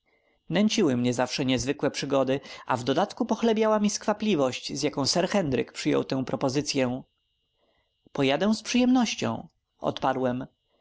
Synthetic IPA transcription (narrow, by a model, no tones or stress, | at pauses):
nɛɲt͡ɕiwɘmɲɛzafʂɛɲɛzvɘkwɛpʂɘɡɔd̪ɘʔa̰vd̪ɔd̪at̪kupɔxlɛbʲjawamʲiskfaplʲivɔɕt͡ɕzʲjakɔ̃w̃sɛɾxɛnd̪ɾɘ̰kpʂɘjɔ̰wt̪ɛ̃w̃pɾɔpɔzɘt̪sʲjɛ | pɔjad̪ɛw̃spʂɨjɛmnɔɕt͡ɕɔ̰̃w̃ | ʔɔ̰t̪paɾwɛm